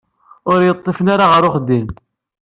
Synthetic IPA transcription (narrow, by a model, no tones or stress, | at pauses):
ʊɾjət̪ˤːefənaɾaʁəɾʊχd̪im